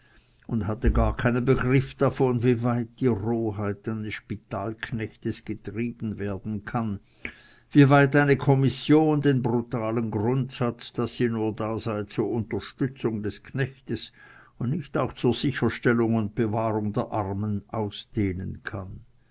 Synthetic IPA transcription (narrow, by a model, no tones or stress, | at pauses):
ʊndhatəɡaːɐkʰaɪnənbəɡʁɪfd̥afɔnviːvaɪt̚d̥iːʁoːɦaɪtaɪnəsʃpitʰaːlkʰnɛçtəsɡ̥ətʁ̥iːbn̩veːɐdn̩kʰan | vivaɪtaɪnəkʰɔmɪsjoːndeːnbʁutaːlənɡʁʊntsat͡sd̥asːiːnuːɐdaːzaɪt͡suːɐʊntɐʃtʏt͡sʊŋdɛskʰnɛçtəs | ʊndnɪçtaʊxt͡suːɐz̥ɪçəʃtɛlʊŋʊnt̚b̥əvaːʁʊŋdeːɐʔaʁmənʔaʊsd̥eːnənkʰan